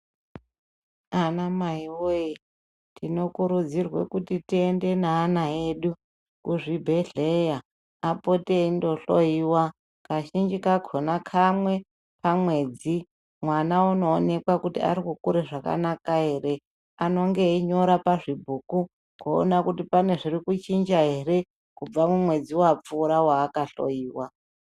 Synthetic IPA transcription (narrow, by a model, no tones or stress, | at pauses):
anamaiwoi | tino̞kuɾud͡zirwḛkutitiende̞naːnaeːɗu | kuʐibʱe̞ɮejaː | poteindo̞ɬoiwa | kaʃind͡ʒikakʰonakʰamwe̞ | pamwe̞ːd͡zi | mwanauno̞ːne̞kwakutḭa̰ɾikukuɾeʐaka̰nakaɦe̞re̞ | ano̞ŋɡe̞iɲo̞ɾapaʐibʱuku | ko̰ːnakutipane̞ʐirikut͡ʃind͡ʒaɦe̞re̞ | kub͡vamumwe̞d͡ziwap͡fuːɾawaːkaɬo̰jiːwa